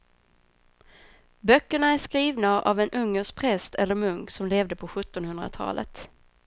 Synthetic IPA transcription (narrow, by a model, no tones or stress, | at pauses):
bœkːəɳaæʂkɾiːvnaʔa̰vɛnʔɵŋːəʂ̚pʰɾɛst̪ʰɛlːəɾmɵŋksɔmleːvd̪əpʰɔɧɵt̪ːɔnhɵnd̪ɾa̰t̪ʰɑ̰ːlʔə̰t̪